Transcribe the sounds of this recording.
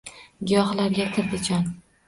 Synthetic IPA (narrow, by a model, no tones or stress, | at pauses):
ɡʲɪjɒhlaɾɡʲakʲʰɪɾd̪ɪt͡ʃʰɒn